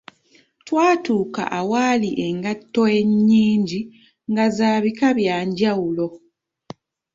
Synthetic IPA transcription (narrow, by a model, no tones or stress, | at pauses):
twaːtuːka̰ʔawaliʔe̞ŋɡatːo̞e̞ɲːiːɲɟi | ŋɡazaːβikaβjaːɲɟawulo̞